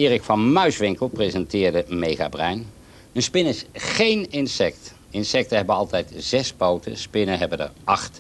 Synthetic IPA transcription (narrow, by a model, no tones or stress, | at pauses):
ɪːrɪkfɑnmœɥsʋɪŋkəlˠprezɛntɪːɹdəmejχa̰brɛɥn | ənspɪnɪsχejnɪnsɛk̚t | ɪnsɛk̚təɦɛbənɑlˠtɛjtz̥ɛspowtə̰spɪnənɦɛbəndə̰ɹɑχt